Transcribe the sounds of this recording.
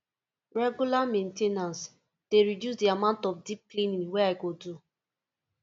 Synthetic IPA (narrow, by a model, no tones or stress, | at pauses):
ɹɛɡjulamẽntenãns | d̥eɹidjus̬diamãʊ̃ntɔfdip̚klĩnĩnweaɡodu